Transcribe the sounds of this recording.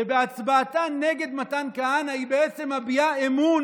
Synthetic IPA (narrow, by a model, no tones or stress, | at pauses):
ebeat͡sbaːtaneɡe̞d̪matankaanaibeet͡se̞mabiaemun